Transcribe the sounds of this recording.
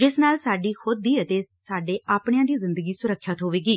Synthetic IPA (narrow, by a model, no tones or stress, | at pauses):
d͡ʒɪsnaːlsaːɖiːxʊd̪̚ːiːət̪eːsaːɖeːʔaːpɽẽãːd̪iːzɪ̃nd̪əɡiːsʊɾəkʰːjat̪ɦoːʋeːɡiː